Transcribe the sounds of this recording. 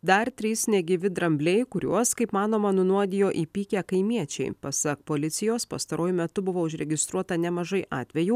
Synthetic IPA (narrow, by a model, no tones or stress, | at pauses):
d̪ɐɾt̪ʲɾʲiːsnʲɛɡʲɪʋʲɪd̪ɾɐmʲbʲlʲɛɪkʊɾʲṵɔskɐɪpmɑːnoːmɐnʊnuɔd̪ʲɪjoːʔiːpʲiːkʲæːkɐɪmʲiɛt͡ʃʲɛ̰ɪpɐsɐk̚poːlʲɪt̪sʲɪjoːspɐ̰st̪ɐɾuːjʊmʲɛt̪ʊbʊʋoːʊʒʲɾʲɛɡʲɪst̪ɾuɔt̪ɐnʲɛmɐʒɐɪʔɑːt̪ʲʋʲɛjuː